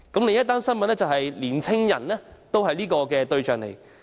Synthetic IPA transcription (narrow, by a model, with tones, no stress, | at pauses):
kɐ˨˥mle˨˧jɐ˥t̪ːaː˥nsɐ˥nmɐ˨nɛː˥t͡sɐ˨˩wɦɐ˨jliː˨˩nt͡sʰɪ˥ŋjɐ̰˨˩nlɛː˥t̪o˥wɦɐ˨jliː˥kɔː˧kɛː˧t̪ɵ˧ɥt͡ʃœː˨ŋlḛ˨˩j